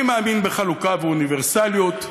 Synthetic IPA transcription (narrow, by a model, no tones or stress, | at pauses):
maːminbeχalukaveuniveʁsaljot̪